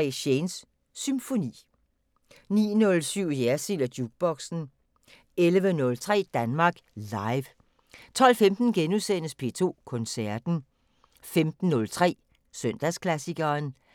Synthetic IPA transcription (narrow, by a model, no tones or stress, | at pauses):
ḛɕensː | ymfo̝nḭː | nḭːnɔ̽lsyʊ̰jæɐsilɐd̥juɡ̥̚b̥ɒ̽ɡ̥sn̩ | elʋənɔ̽lt͡sʰʁɛ̰ːd̥ænmɑ̈ːɡ̥lɑ̈ɪʋ | t͡sʰɒ̽l̰femd̥n̩ɡ̥enusen̰əspʰe̝̰ːt͡sʰo̝̰ːkʰɔ̽nsæɐd̥n̩ | femd̥n̩ːɔ̽lt͡sʰʁɛ̰ː | søn̰d̥æskʰlæsiɡ̥ɐːn